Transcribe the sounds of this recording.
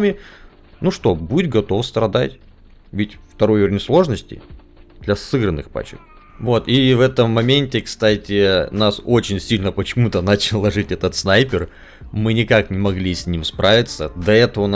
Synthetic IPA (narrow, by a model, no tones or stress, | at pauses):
mʲɪ | nuʂt̪o̞buɪt̪ʲɡɐt̪o̞fst̪ɾɐd̪a̰tʲ | vʲɪtʲft̪ɐɾojoɾʲɪnʲslˠo̞ʐnəsʲtʲɪ̰ | d̪lʲɐsɨɡɾənɨxpa̰t͡ɕɪ̰k̚ | vo̞t̪ivɛt̪əmːɐmʲenʲtʲɪkst̪atʲɪnasot͡ɕɪnʲsʲilʲnəpət͡ɕɪmut̪ənat͡ɕɪlˠlːˠɐʐɨtʲɛt̪ət̪snajpʲɪr | mɨnʲɪkaknʲɪmɐɡlʲisʲnʲimspɾʔavʲɪt̪səd̪ɐɛt̪əvən